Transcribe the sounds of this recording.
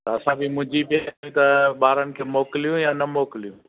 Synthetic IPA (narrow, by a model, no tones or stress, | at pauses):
t̪ɐɐsãbʱimʊ̃ɦd͡ʑipjaĩt̪ɐɓaːɾənɪ̆kʰeːmoːkɪlijũjaːnɐmoːkɪlijũ